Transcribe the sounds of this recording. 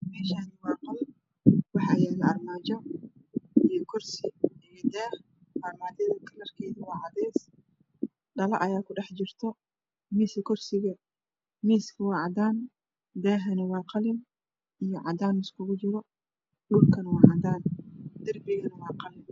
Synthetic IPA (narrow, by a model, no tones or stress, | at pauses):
mɛːʃaːnɪwɑːqɑln | wɑħɑːjɛːlɛɐrmaːt͡ʃɔ | ijɞkʰɔrsɪijɔd̪ɛːh | mɐrmaːðɪðɐkʰɐlɐrkʰɛːðɐwɑːʕɑðɛːs | ɖɐlɐ̰ʔɐjaːkʰʊɖɛħt͡ʃɪrt̪ʰɔ | miːsɪkʰɔrsɪɣɐ | miːskʰɐwɑːʕɑd̪aːn | d̪ɛːɦɐnɪwɑːqɑlɪn | ijɞʕɑ̰d̪aːnɪskʰʊɣʊt͡ʃɪɾɔ | duːrkʰɐnɐwɑːʕɑd̪aːnd̪̥ɐrbɪɣɐnɐwɑːqɑlɪn